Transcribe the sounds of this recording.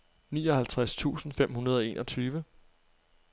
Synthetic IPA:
niːɒ̽hælt͡sʰʁast͡sʰṵːsn̩fem̰hunɐð̞ˠɒe̝̰ːnʔɒ̽t͡sʰyːʋə

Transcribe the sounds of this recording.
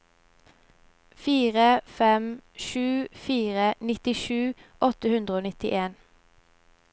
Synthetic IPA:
fiːʁəfɛmʃʉːfiːʁənɪt̪ɪʃʉːʔɔt̪əhʉnd̪ʁəoːnɪt̪ɪ̰ʔeːn

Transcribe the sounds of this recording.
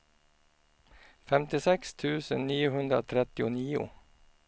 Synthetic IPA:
fɛmt̪ɪsɛkst̪ʰʉːsənniːʊhʉnd̪ɾəo̰t̪ʰɾɛt̪ɪʊniːʊ̰

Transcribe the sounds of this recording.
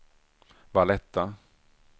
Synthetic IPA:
vaɭɛt̪ːa

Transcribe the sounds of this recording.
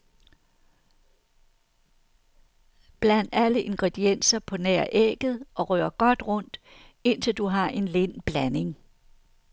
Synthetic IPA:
b̥læn̰d̥æləʔe̝nɡ̥ʁed̥ien̰sɐpʰɒ̽næɐ̰ʔeɡ̥ð̞̩ˠʔɒ̽ʁœːɐɡ̥ɒ̽d̥ʁɔ̽n̰d̥ | e̝n̰t͡sʰe̝ld̥uɦɑ̈ʔe̝nle̝nb̥læne̝ŋ

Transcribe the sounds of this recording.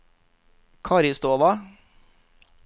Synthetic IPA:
kʰɑɾɪst̪oːʋɑ

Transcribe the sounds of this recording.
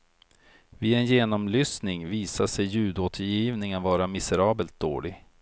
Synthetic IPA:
vɪɛnjeːnɔmlyːsnɪŋviːsaʂɛjːʉ̟ːd̪oːt̪ʰəɾjiːvnɪŋənvɑːɾamɪsəɾɑːbəlt̪̚d̪o̰ːɭɪɡ

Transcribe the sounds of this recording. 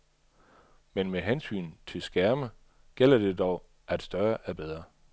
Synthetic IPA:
menmeɦænsy̰ːn̩t͡sʰe̝lsɡ̥æɐmə | ɡ̥el̰ɐd̥e̝d̥ɒʊ | ʔæd̥sd̥ɶɐʔæb̥eðˠʁɐ

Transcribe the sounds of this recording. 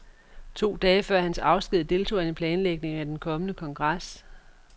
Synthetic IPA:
t͡sʰo̝̰ːd̥ɛːfɶɐ̰hænsɑ̈ʊsɡ̥ið̞̰ˠd̥e̝lt͡sʰo̝̰ːe̝npʰlɛːnleɡ̥ne̝ŋæd̥enkʰɒ̽mənəkʰɒ̽ŋɡ̥ʁas

